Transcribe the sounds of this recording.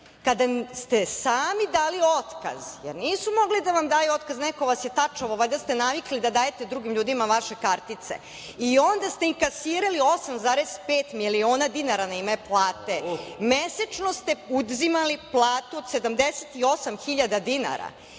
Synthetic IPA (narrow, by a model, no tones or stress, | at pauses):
kad̪ast̪esaːmid̪aːlio̞t̪ka̰z̥jḛɾniːsumo̞ɡlid̪aʋamd̪aːjuo̞t̪kaznɛkoʋasjet̪at͡ʃaoʋajd̪ast̪enaʋiklid̪ad̪aːjet̪ed̪ɾuɡimʎuːd̪imaʋaʃe̞kaɾt̪it̪sḛ | io̞nd̪ast̪eiŋkasiːɾalio̞samzaːɾespeːt̪milio̞ːnad̪inaɾanaimeplˠaːt̪emesat͡ʃnost̪e̞ud̪zimaliplˠaːt̪uod̪sed̪amd̪eset̪io̞samxiʎad̪ad̪ina̰ɾa̰